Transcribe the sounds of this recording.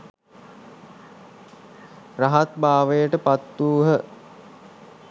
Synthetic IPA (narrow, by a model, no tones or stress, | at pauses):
raɦat̪baːʋəjəʈəpat̪ːuːɦə